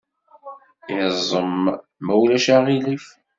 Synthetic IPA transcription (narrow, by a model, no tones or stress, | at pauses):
izˤəmː | æwlæʃaʁilif